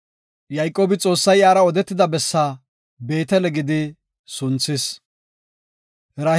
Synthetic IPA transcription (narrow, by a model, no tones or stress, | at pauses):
jɐjkʼːo̞ːbɪt͡sʼo̞ːsːɐjaːɾɐɔd̪ɛt̪ːɪd̪ɐbɛsːaː | be̞ːt̪ɛlɛɡɪd̪ɪ | sʊnt͡sːɪs | ɾaː